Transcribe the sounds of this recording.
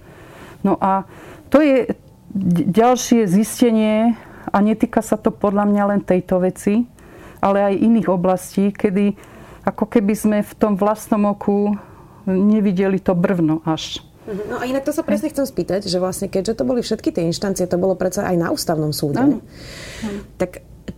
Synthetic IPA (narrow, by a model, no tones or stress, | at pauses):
nɔʔat̪ɔjɛ | ɟalʃɪɛziscɛɲɪɛaɲɛt̪iːkasat̪ɔpɔd̪ʎamɲalɛnt̪ɛjt̪ɔʋɛt͡si | ʔalɛajʔiniːɣɔblasciːkɛd̪i | akɔkɛbizmɛft̪ɔmʋlast̪nɔmɔkʰu | ɲɛʋiɟɛlit̪ɔbr̩ʊnɔʔaʃ | nɔainak̚t̪ɔsapɾɛsɲɛxt͡sɛmspiːt̪acʒɛʋlasɲɛkɛɟʒɛt̪ɔbɔlifʃɛt̪kit̪ɪɛinʃt̪ant͡sijɛt̪ɔbɔlɔpɾɛtt͡saʔa̰jna̰ʔuːst̪aʊnɔmsuːɟɛ | t̪ak